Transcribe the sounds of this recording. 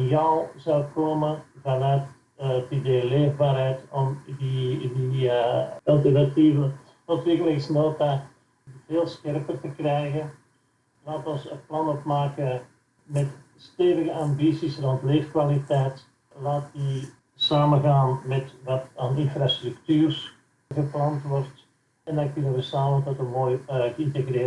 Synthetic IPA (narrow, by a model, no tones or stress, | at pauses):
jɔwzɔwkoːmənvɑnœɥt | tideːleːvbaːrɦɛjtɔmdidi | ɑlˠtərnativə | ɔtʋɪkələksnoːta | veːlˠsxɛrpərtəkrɛjɣən | laːtɔnsəplɑnɔtmaːkə | mɛt | steːvəɣəambisisrɔntleːfkʋalitɛjt | laːt̚di | saːmənɣaːnmɛtʋɑtaːnɪnfrastryktyːrs | ɣəplɑntʋɔrt | ɛndɑnkɵnəʋəsaːməntɔtənmoːjtəɪntəɣreː